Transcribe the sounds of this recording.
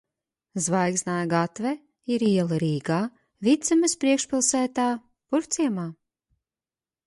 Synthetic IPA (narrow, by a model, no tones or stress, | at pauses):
zvajɡznaːjɡat̪vɛ | iɾiɛlˠɨɾiːɡaː | vit̪sɛmɨspɾiɛkʃpilˠsæːt̪aː | puɾt̪siɛmaː